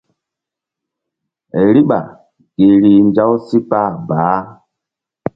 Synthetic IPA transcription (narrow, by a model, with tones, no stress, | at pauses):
ɾi˦ɓa̰˨ | ɡ̥e˨ɾi˨nd͡ʒa˦wsi˦pa˦˨baː˨˦